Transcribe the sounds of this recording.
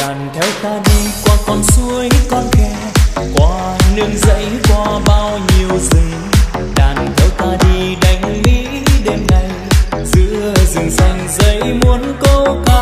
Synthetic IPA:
ɗaː˨˩nt̪ʰɛ˨˦wt̪aː˧ɗi˧kwɔː˧˩kɔ˧˩nsu˧əjkɔ˧nkɛ˧ | kwaː˧ | nɨ˧əŋzə̰˧˥jkwaː˧ɓaː˧wɲi˨˩əwzi˨˩ | ɗaː˨˩nt̪ʰɛ˨˦wt̪aː˧ɗi˧ɗa˨˦jŋ̟lḭ˧˥ | ɗe˧mna˨˩jzɨ̰˧˥əzɨ˨˩ŋsa˧˩jŋ̟zə̰˧˦jmu˨˦ənko˧ka˧

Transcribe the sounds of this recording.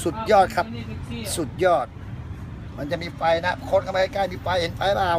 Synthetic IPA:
su˨˩t̪̚jɔː˥˩t̪̚kʰa˦˥p̚su˨˩t̪̚jɔː˥˩t̪̚ | ma˧nt͡ɕa˨˩ʔmiː˧fa˧jna˦˥kʰo˧˥nʔa˧e˧li˦˥kaː˧˥˩miː˧fa˧jhe˩˦nfa˧jlaː˧˩

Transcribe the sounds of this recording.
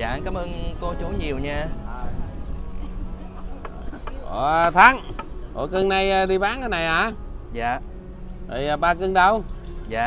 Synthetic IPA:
a̰ː˧˨nkaː˨˦mʔəː˧ŋko˧t͡ɕu˨˦ɲi˨˩əwɲaː˧˨˩ | ʔo̰˨˩˧t̪ʰaː˨˦˥ŋko̰˧˨˦kɨ˧ŋna˧jə˧ɗi˧ɓaː˨˦nəː˨˧˦na˨˩jʔaː˨˩ | zaː˨˩ | ɓə̰˨˩jzəː˨˩ɓaː˧kɨ˧ŋɗə˧w | zaː˨

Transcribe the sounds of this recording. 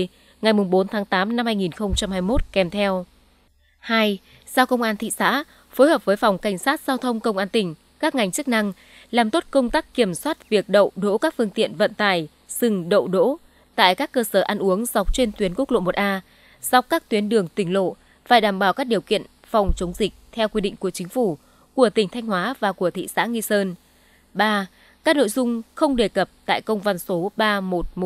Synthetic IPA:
ŋa˨˩jmʊ˨˩ŋ͡mɓo˨˦nt̪ʰaː˨˦ŋt̪aː˨˦mna˧mhaː˧jŋi˨˩nxə˧wŋ͡mt͡ɕa˧mhaː˧jmo˦˥t̚kɛ˨˧˩mt̪ʰɛ˧w | haː˧j | za˧wkə˧wŋ͡mʔaː˧nt̪ʰḭ˧˨sa̰ː˧˥ | fo˨˦jhəː˨˩p̚vəː˨˦jfɔ˨˩wŋ͡mka˧˩jŋ̟saː˦˥t̚z̥aː˧wt̪ʰə˧wŋ͡mkə˧wŋ͡mʔaː˧nt̪ï˨˩ŋ̟ | kaː˦˥k̚ŋa˨˩jŋ̟t͡ɕɨ˦˥k̚na˧ŋ | laː˨˩mt̪o˦˥t̚kə˧wŋ͡mt̪aː˦˥k̚ki˧˩əmswaː˦˥t̚vi˨˩ək̚ɗə̰˧˨wɗo̰˧˥kaː˦˥k̚fɨ˧əŋt̪ḭ˧˨ənvə̰˧˨nt̪aː˧˩j | sɨ˨˩ŋɗə̰˧˨wɗo̰˧˥ | t̪a̰ː˧˨jkaː˦˥kːəː˧səː˧˩ʔa˧nʔu˨˦əŋza˨˩wk͡p̚t͡ɕe˧nt̪wi˨˦ənku˦˥k̚lo̰˧˨mo˨˩t̚ʔaː˧ | sɔ˧˩w̚kaː˦˥k̚t̪wi˨˦ənɗɨ˨˩əŋt̪ï˧˩ŋ̟lo̰˧˨ | faː˧˩jɗaː˧˩mɓaː˧˩wkaː˦˥k̚ɗi˨˩əwkḭ˧˨ən | fɔ˨˩wŋ͡mt͡ɕə˨˦wŋ͡mzï˨˩k̟̚t̪ʰɛ˧wkwi˧ɗḭ˧˨ŋ̟ku˧˩ət͡ɕï˨˦ŋ̟fu˧˩ | ku˧˩ət̪ï˩ŋ̟t̪ʰa˧jŋ̟hwaː˨˦vaː˨˩ku˧˩ət̪ʰḭ˧˨sa̰ː˧˥ŋi˧səː˧n | ɓaː˧ | kaː˦˥k̚no̰˧˨jzʊ˧ŋ͡mxə˧wŋ͡mɗe˨˩kə˨˩p̚t̪a̰ː˧˨jkə˧wŋ͡mva˧˩nso˨˦ɓaː˧mo˨˩t̚m˨

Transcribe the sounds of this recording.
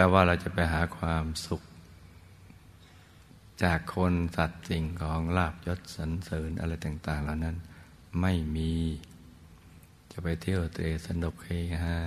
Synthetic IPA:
pɛː˧waː˧˩ɾa˧wt͡ɕa˨˩ʔpa˧jɦaː˩˦kʰwaː˧msu˨˩k̚ | t͡ɕaː˨˩kʰːo˧nsa˨˩t̪̚t͡ɕi˨˩ŋkʰɔː˩˦ŋlaː˥˩p̚jo˦˥t̪̚sa˩˦nsɤː˩˦nʔa̰˧ɾa˧jt̪aː˨˩ŋt̪aː˨˩ŋlaː˨˩wna˦˥˩n | ma˥˩jmiː˧ | t͡ɕa˨˩pa˧jt̪ʰi˥˩ə˩wt̪ɾeː˧sa˩˦ndo˨˩kʰːeː˧˩ŋna˧ka˦˥

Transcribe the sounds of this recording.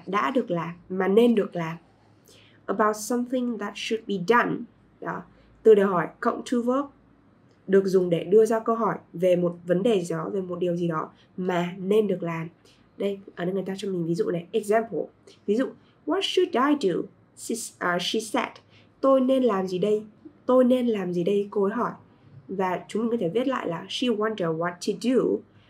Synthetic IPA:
ɗa̰ː˧˥ɗɨ˨˩ək̚laː˨˩mːaː˨˩ne˧nɗɨ˨˩ək̚laː˨˩m | ʔə˨˩ba˧wt̚sə˧mθɪ̃˧ŋðə˨˩t̚ʃu˨d̚bi˨də˧n | ɗɔ˨˦ | t̪ɨ˨˩ɗe˨˩ɦɔ˧˩jkə̰˧˨wŋ͡mtʰu˧vəː˦˥k̚ | ɗɨ˨˩ək̚zʊ˨˩ŋ͡mɗe˧˩ɗɨ˧əzaː˧kə˧ɦɔ˧˩jve˨˩mo˨˩t̚və˨˦nɗe˨˩˨ɔ˨˦ve˨˩mo˨˩t̚ɗi˨˩əwzi˨˩ɗɔ˨˦ | maː˨˩ne˧nɗɨ˨˩ək̚laː˨˩m | ɗə˧jʔəː˨˧˩ə˧jŋ˨˩t̪aː˧t͡ɕɔ˧ŋ͡mmï˨˩ŋ̟vi˨˦zṵ˧˨na˨˩jʔɛ˨˧k̚zɛ˧mpə̰˨ | vi˨˦zṵ˧˨ | wɔ˨˦t̚ʃu˨da˧jdṵ˨ | i˧ʔʃi˧sɛ̰˦˥t | t̪o˧jne˧nlaː˨˩mzi˨˩ɗə˧jt̪o˧jne˧nlaː˨˩mzi˨˩ɗə˧jko˧˦jɦɔ˧˩j | vaː˨˩t͡ɕʊ˨˦ŋ͡mmi˨ŋkɔ˨˦t̪ʰe˧˩ɓi˦˥ət̚la̰ː˧˨jlaː˨˩ʃi˧wa˧ndə˨˩wɔ˨˦tʰːu˧du˧

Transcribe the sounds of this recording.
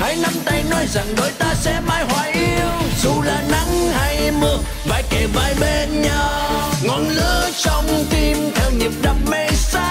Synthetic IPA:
ha˨˦jna˧mt̪a˧jnɔ˨˦jza˨˩ŋɗo˨˦jt̪aː˧sɛ̰˧˥maː˧˥jhwaː˧˩jʔi˧əəwzu˨˩laː˨˩na˨˦ŋha˧jmɨ˧˩ək | vaː˧˩jke˨˩vaː˨˩jɓe˧nɲɔ˧wŋɔ˨˩nlɨ˧˦˥ət͡ɕɔ˧wŋ͡mt̪i˧mt̪ʰɛ˧wɲi˨˩əp̚ɗə˨˩p̚mə˧jsaː˧˦

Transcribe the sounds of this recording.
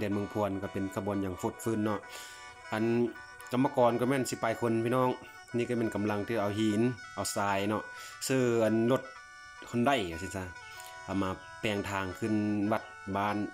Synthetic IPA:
dɯ˨˧ənmɯ˧ŋpʰu˧˨ənka˧˩pe˨nkʰa˧bu˨ənjaː˨˩ŋfu˧˩t̪̚fɯː˧˥˨nːɔ˧˨ʔ | ʔa˨n | ka˧mːa˧kɔː˨˧nka˧˦mɛː˧˩˨nsi˧˦paː˨˧˨jkʰo˧˥npʰiː˧˨nɔː˧˩˨ŋ | niː˧ka˧˨mɛ˧˥˩nka˨mla˧ŋt̪ʰiː˧˩˨ʔa˧wɦiː˧˨˦nʔa˧wsaː˧jnɔ˧ʔ | sɤː˧˩ʔa˨nlo˧˩t̪̚ | kʰo˧˥˨nda˧˩˨ja˧˩si˧nsa˧˨ | ka˧˩maː˧ | pɛː˧˩ŋt̪ʰaː˧˩ŋkʰɯ˧˥˨nʋa˧t̪̚baː˧˨n

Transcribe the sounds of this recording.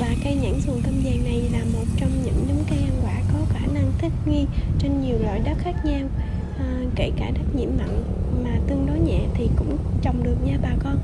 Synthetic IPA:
vaː˨˩ka˧jɲə̰˧˥nsu˨˩nt̪ʰə˧mzɛ˨˩na˨˩jlaː˨˩mo˨˩t̚t͡ɕɔ˧wŋ͡mɲɨ̰˧˥ŋɗɨ˨˦ŋ͡mkaː˨˦jʔa˧nkwaː˧˩kɔ˨˦xaː˧˩na˧ŋt̪ʰï˦˥k̚ŋi˧t͡ɕe˧nɲi˨˩əwlwa̰ː˧˨jɗə˦˥t̚xaː˦˥k̚ɲaː˧w | ke˧˩kaː˧˩ɗə˦˥t̚ɲḭ˧˩əmːə̰˧˨n | maː˨˩t̪ɨ˧əŋɗɔ˨˦jɲɛ̰˧˨t̪ʰi˨˩kʊ̰˧˥ŋ͡m | t͡ɕɔ˨˩wŋ͡mɗɨ˨˩ək̚ɲaː˧ɓaː˨˩kɔ˧n

